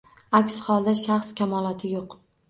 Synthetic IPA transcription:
akʲshɒlˠd̪aʃaχskʲʰamɒlˠɒt̪ʰɪjoq

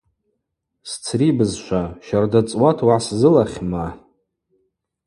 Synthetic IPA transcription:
st͡sʰribɨzʃʷaʃardat͡sʼwatʰwaʕszɨlaχʲma

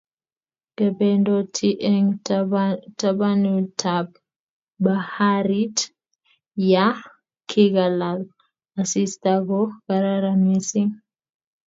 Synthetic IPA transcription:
ɡ̥abɛndɔtʰiʔɛŋ | tabanutʰab | bahaɾit | ja | kʰiɡalal | asistaɡɔɡaɾaɾamisiŋ

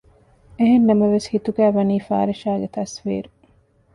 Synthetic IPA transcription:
eɦenːɐmɐʋeshit̪uɡæːʋɐniːfa̰ːɾiʃaːɡet̪ɐsʋḭːɾu

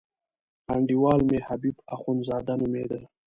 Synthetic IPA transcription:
haɳɖiwɑːlmehabibaxunzɑːd̪anumed̪əl

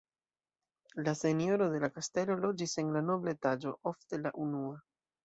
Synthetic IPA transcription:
lase̞njo̞ɾo̞de̞lakaste̞lo̞lo̞d͡ʒise̞nlano̞blaetad͡ʒo̞ʔo̞fte̞laʔunua

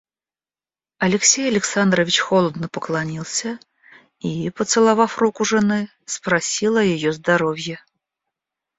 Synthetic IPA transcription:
ɐlʲɪksʲejɐlʲɪksand̪ɾəvʲɪt͡ɕxolˠəd̪nəpəklˠɐnʲilˠsʲə | ipət̪sɨlˠɐvafrukʊʐɨnɨ | spɾɐsʲilˠɐjɪjozd̪ɐɾovʲjɛ

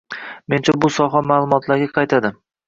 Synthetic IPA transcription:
me̞nt͡ʃʰabʊsɒɦamaːlˠʊmɒt̪ʰlaɾɡʲaqʰɑjt̪ʰad̪ɪm

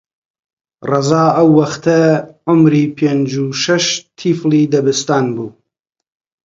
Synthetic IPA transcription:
rɑzaːɐwːɐxt̪ɐʕʊmɾiːpʰeːnd͡ʒuʃɐʃt̪ʰifliːd̪ɐbɨst̪aːnbuː

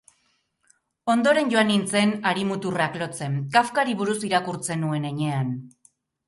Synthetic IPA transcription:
o̞nd̪o̞ɾe̞nʝo̞anint͡se̞naɾimut̪uraklo̞t͡se̞nkafkaɾiβuɾusiɾakuɾt͡se̞nue̞ne̞ɲe̞an

